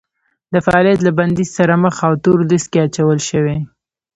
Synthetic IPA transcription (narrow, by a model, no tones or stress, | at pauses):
d̪əfaɑːlijat̪̬laband̪izsaɾaməxawt̪oɾlɪskeat͡ʃawəlʃəwe